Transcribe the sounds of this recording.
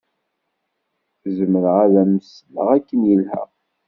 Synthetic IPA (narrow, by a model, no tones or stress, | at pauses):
θzəməɾəʁæðæməslə̰ʁækːənjəlhæ̰